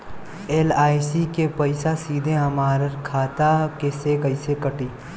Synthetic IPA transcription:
eːlaːjsikepɐɪsasiːd̪ʱeɦɐmaːɾəɾkʰaːt̪akesekɐɪsekɐʈiː

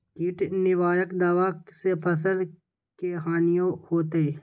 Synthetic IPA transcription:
kɪːʈnɪʋaːɾəkd̪aːʋaːsepʰəs̬əl | keɦaːnijõhoːt̪e

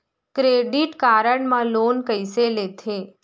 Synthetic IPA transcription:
kɾeɖiʈkaɾəɳmãloːnkəɪselet̪ʰe

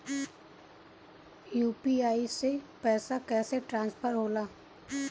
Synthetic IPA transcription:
juːpiaːisepɛːsakɛːseʈɾãːnspʰəɾɦoːlaː

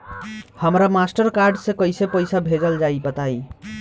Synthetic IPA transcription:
həmɾamasʈəɾkaɾɖsẽkəjsepəjsabʱed͡ʒəld͡ʒajbət̪ai

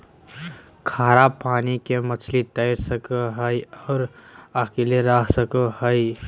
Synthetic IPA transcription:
kʰaːɾapaːnikemət͡ʃʰlit̪əɪɾsəkəɦəiɔːɾakileɾaɦsəkəɦəi

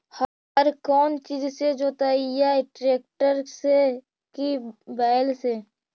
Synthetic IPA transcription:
hə | ɾkɔːnt͡ʃiːd͡ʒsed͡ʒoːt̪aijaʈɾeːk̚ʈəɾse | kibɛːɪlseː

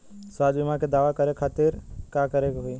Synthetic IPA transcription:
saːd͡ʒbimãked̪aːʋakəɾekʰaːt̪ɪɾkakəɾekɦʊi

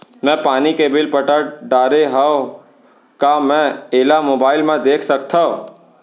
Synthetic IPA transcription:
mɛ̃paːnikebɪlpəʈəɖaːɾeɦao | kamɛ̃eːlamoːbaːɪlmãd̪eːkʰsək̚t̪ʰa

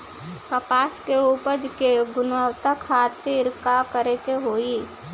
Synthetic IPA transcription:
kəpaːskeuːpəd̪keɡʊnəwt̪akʰaːt̪iɾkakəɾekeɦoːi

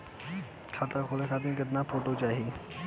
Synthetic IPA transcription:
kʰaːt̪akʰoːlekʰaːt̪̬inɡəd̪napʰoːʈot͡ʃaːɦie

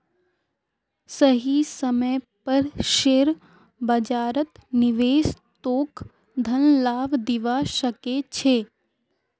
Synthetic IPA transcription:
səɦisəməjpəɾʃeːɾ | bəd͡ʒaːɾət̪nɪʋeːs | t̪oːk | d̪ʱənlaːʋd̪ɪʋaʃəket͡ʃʰeː

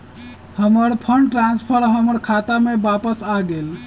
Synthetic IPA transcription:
həməɾpʰəɳɖʈɾanspʰəɾɦəməɾkʰat̪amebapəsaɡel

